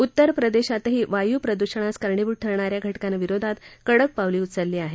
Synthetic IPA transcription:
ut̪ːəɾpɾəd̪eɕat̪ɦiːʋajuːpɾəd̪uɕəɳ̃askəɾɳiʋuɽ̚ʈʰəɾɳaɾjaɡʱəʈkanʋiɾod̪ʱat̪kəɽək̚paʋliːut̪səlːiːaɦe

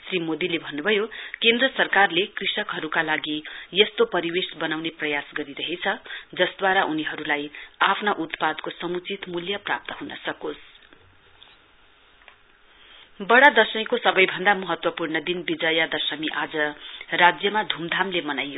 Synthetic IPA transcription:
srimod̪ilebʱʌnːubʱʌjokend̪rʌsʌrkarlekrisʌkɦʌɾukalaɡijʌst̪opʌɾiwesbʌnawneprʌjasɡʌɾiɾʌɦet͡sʰʌd͡zʌsd̪waɾaʔuniɦʌɾulajapʰnaʔut̪pad̪kosʌmut͡sit̪muljʌprap̚t̪ʌɦunʌ̰sʌkos | bʌɽad̪ʌsʌmikosʌbʌjbʱʌnd̪amʌɦʌt̪wʌpurnʌd̪inbid͡zʌjʌd̪ʌsʌmiʔad͡zʌrad͡zjʌmad̪ʱumd̪ʱamlemʌnajo

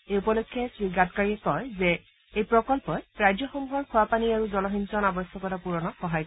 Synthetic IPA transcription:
eupɔlokʰːjɛsɹiɡatkaɹikɔjzɛ | ejpɹɔkɔlpɔɹajd͡ʒɔxɔmuɦɔɹkʰuapaniaɹuzɔlɔɦinsɔnabɔsʰɔkɔtapuɹɔnɔxɔɦaj

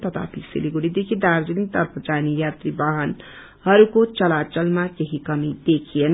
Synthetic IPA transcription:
t̪ʌt̪ʰa̰pʰisḭliɡuɽid̪ekʰid̪aɾd͡ʒinit̪ʌɾpʰʌd͡ʒanijat̪ɾibaɦʌn | hʌɾukot͡ʃʌlat͡ʃʌlmakeɦikʌmid̪ekʰijen

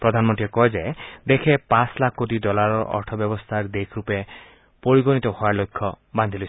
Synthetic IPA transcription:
pɾɔd̪ʱanmɔnt̪iɔkɔɦed͡ʒaed̪ekʰepãslakʰːkotid̪ɔlaɾɔʔɔ̰ɾʈʰɔbjɔbɔst̪ʰaɾd̪ekʰɾupe | poɾiɡɔnit̪ɔhɔalokʰːɔ | band̪ʱilɔsʰ

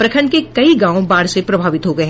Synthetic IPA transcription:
pɾɐkʰəɳɖkekɐiɡãːõbaːɾsepɾɐbʱaːʋɪt̪ɦoɡɐeɦ

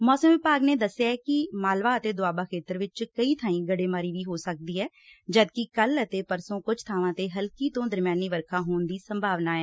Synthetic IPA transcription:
mɔːsəmʋɪpaːɡneːd̪əsjaːɛːkɪmaːlʋaːət̪eːd̪ʊaːbaːkʰeːt̪əɾʋɪt͡ʃkəiːt̪ʰãːĩːɡəɽeːmaːɾiːʋiːɦoːsək̚d̪iːɦɛː | d͡ʒəd̪kɪkələt̪eːpəɾsõːkʊd͡ʒt̪ʰaːʋãːt̪eːɦəlkiːt̪õːd̪əɾmjaːniːʋəɾkʰãːɦoːnd̪iːsəmbʱaːʋnaːɛː

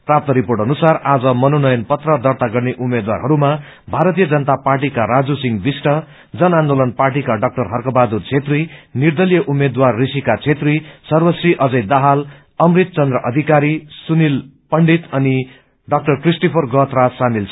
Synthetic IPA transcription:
prap̚t̪ʌɾiporʈʌnusarad͡zʌmʌnonʌjʌnpʌt̪rʌd̪ʌrt̪aɡʌrneʔumːed̪wa̰rɦʌɾuma | bʱaɾʌt̪ijʌd͡zʌnt̪aparʈikaɾad͡zusiŋbisʈʌ | d͡zʌnand̪olʌnparʈ̬ikaɖʌk̚ʈʌrɦʌrkʌbad̪ut͡sʰet̪rinird̪ʌlijʌʔumːed̪warːisikat͡sʰet̪risʌrbʌsriʔʌd͡zʌjd̪aɦal | ʌmrit̪̚t͡sʌnd̪ɾrʌʔʌd̪ʱikaɾisunilpʌɳɖit̪ʌni | ɖʌk̚ʈʌrkrisʈopʰʌrɡʌt̪rasamilt͡sʰʌ

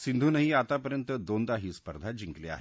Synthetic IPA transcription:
sind̪ʱuːnəɦiːat̪apəɾjənt̪əd̪ond̪aɦiːspəɾd̪ʱad͡ʑiŋklea̰ɦe

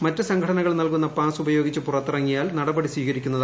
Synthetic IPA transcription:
mɐtːɨsɐŋɡʰʱɐɽɐnɐɣɐɭnɐlkun̪ːɐpaːsubɐjoːɡit͡ɕːɨpurɐt̪ːirɐŋːijaːlnɐɽɐbɐɽisʋiːɣɐɾikʲːunːɐð

